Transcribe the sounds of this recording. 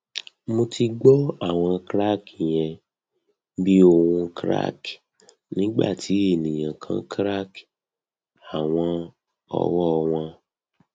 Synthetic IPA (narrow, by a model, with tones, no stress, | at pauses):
mo˧ti˧ɡ͡bɔ˦a˦˨w̃ɔ̃˧kɾa˦ki˨j̃ɛ̃˧ | bi˦o˧wũ˧kɾa̰˦k | nĩ˨˦ɡ͡ba̰˦˨ti˨˦e˦˨nĩ˨j̃ã˨kʰã̰˨˦kɾa˦k | a˨w̃ɔ̃˧ | ɔ̰˧wɔ˦˧w̃ɔ̃˧